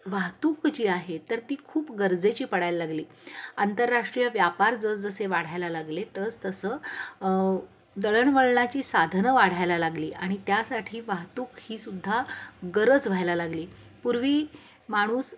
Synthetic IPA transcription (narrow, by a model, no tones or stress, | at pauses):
ʋaɦt̪uːkt͡ɕiːaɦet̪əɾt̪iːkʰuːpɡəɾd͡zet͡ɕiːpəɽajlːaɡliː | ant̪əɾːaʂʈɾijəʋjapaɾd͡zət͡sd͡zəseʋaɽ̤ajlalaɡlet̪əd͡zt̪əsəː | d̪əɭəɳʋəɭɳat͡ɕiːsad̪ʱnəʋaɽ̤ajlalaɡliːʔaɽ̃it̪jasaʈʰiːʋaɦt̪uːkhiːsud̪ʱːaɡəɾəd͡zʋ̤ʱajlalaɡliː | puɾʋiː | maɽ̃uːs